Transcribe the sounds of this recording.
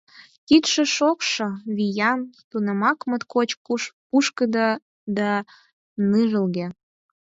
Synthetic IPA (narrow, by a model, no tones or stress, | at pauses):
kit̪ʃĕʃokʃoβijɑmt̪unə̆mɑkmə̆t̪kot͡ɕpuʃkəd̪ə | d̪ɑ | nɨʒə̆lɣe